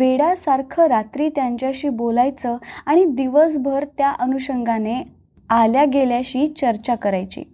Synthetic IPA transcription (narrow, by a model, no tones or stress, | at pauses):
ʋeɽasaɾkʰəɾat̪ɾiːt̪jaɲt͡ɕjaɕiːbolajt͡səːaɽ̃id̪iʋəsbʱəɾt̪jaʔənuɕəŋɡane | aljaɡeljaɕiːt͡ɕəɾt͡ɕakəɾajt͡ɕḭː